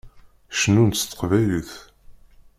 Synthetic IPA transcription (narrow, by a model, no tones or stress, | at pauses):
ʃənunt̪st̪ːə̥qvæjliθ